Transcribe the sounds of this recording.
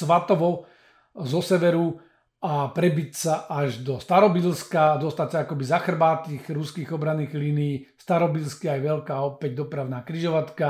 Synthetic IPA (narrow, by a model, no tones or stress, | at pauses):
ʋat̪ɔʋɔ | zɔsɛʋɛɾu | apɾɛbicsaʔaʒd̪ɔst̪aɾɔbilskad̪ɔst̪acsaakɔbizaxr̩baːt̪iːɣɾuskiːɣɔbɾaniːɣliːnijiːst̪aɾɔbilskiajʋɛlkaːɔpɛɟ̚d̪ɔpɾaʊnaːkɾiʒɔʋat̪ka